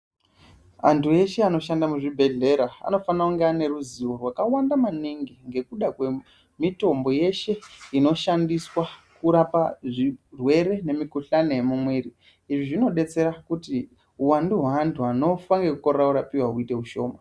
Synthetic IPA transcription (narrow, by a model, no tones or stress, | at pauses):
a̰ntʰue̞ʃe̞ano̞ʃandamuʐibʱe̞ɮe̞ɾaa̰no̞fanauŋɡane̞ɾuziwo̞rwakawandamaniŋɡiŋɡe̞kuɗakwe̞ | mito̞mbo̞je̞ʃe̞ino̞ʃandiswakuɾapaʐirwe̞ɾe̞ne̞mikuɬano̞jemumweɾi | iʐiʐino̞ɗe̞t͡se̞ɾakuti | uwanduɦantʰuɦano̞faŋɡekukorɾauɾapiwaɦuite̞ɦuʃo̞ːma